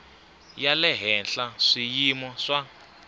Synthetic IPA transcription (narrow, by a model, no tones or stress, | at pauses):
jalɛɦɛnɬaʂijimɔʂa